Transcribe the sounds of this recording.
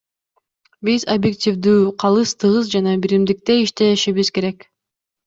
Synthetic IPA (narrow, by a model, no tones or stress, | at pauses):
bizobjektʲivd̪yːqʰɑlˠɯst̪ʰɯʁɯzd͡ʒɑnɑbiɾimd̪ik̚t̪e̞iʃt̪e̞ʃiβizke̞ɾe̞k